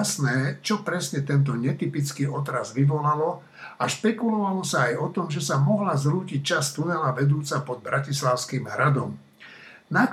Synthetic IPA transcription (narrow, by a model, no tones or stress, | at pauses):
snɛːt͡ʃɔpɾɛsɲɛt̪ɛnt̪ɔɲɛt̪ipit͡skiːʔɔt̪ɾazʋiʋɔlalɔ | aʃpɛkulɔʋalɔsaːjɔt̪ɔmʒɛsamɔɦlazɾuːcic̚t͡ʃast̪unɛlaʋɛd̪uːt͡sapɔd̪̚bɾacislaʊskiːmɦɾad̪ɔm | nak